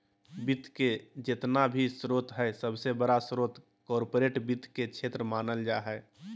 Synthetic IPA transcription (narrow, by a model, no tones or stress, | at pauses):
bit̪ked͡ʒɪt̪nabʱisɾoːt̪ɦɛɛsəbsebəɽasɾoːt̪ | kɔːɾpoːɾeːʈbɪt̪ket͡ʃʰeːt̪ɾəmaːnəld͡ʒaːɦɛ